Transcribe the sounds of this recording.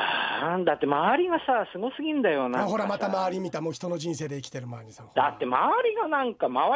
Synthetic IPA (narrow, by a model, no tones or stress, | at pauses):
and̪at̪ːe̞maβaɾʲiɡasaːsɨɡo̞sɨɡʲĩnd̪ajo̞naaɦo̞ɾamat̪amaβaɾʲimʲit̪amoːçi̥t̪ono̞d͡ʑĩnse̞ːd̪e̞ikʲi̥t̪e̞ɾɯ̟maeɲ̟isod̪at̪ːe̞maβaɾʲiɡanãŋkamaβ